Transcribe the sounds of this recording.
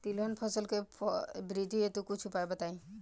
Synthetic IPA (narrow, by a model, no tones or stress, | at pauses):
t̪ilɔnpʰɔsəlkepʰɔbɾid̪ʱiet̪ukut͡ʃʰupajbat̪aĩ